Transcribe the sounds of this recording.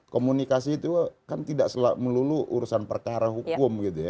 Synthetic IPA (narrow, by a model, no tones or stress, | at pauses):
komunikasiːt̪ukant̪idaʔsəlaʔməluluuɾusanpərkaɾaɦukʊmɡit̪uja